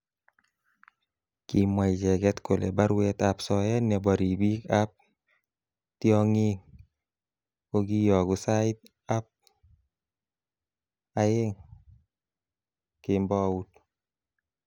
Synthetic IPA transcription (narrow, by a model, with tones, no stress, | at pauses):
ki˨mwa˨i˨d͡ʒɛ˨ɡɛ˦t̪ko˨lḛ˨ba˦ɾwɛ˦t̪apsɔ˨jɛ˦nja˨ba˨ɾi˨bi˦ka˦p̚ | tiɔ˦ŋɪ˦ŋ | ko˦ɡi˦jɔ˨ɡʊ˨sa˦ɪ˦t̪̚ | a˦p̚ | a˨je˦ŋ | ke˨mbɔ˦u˦t̪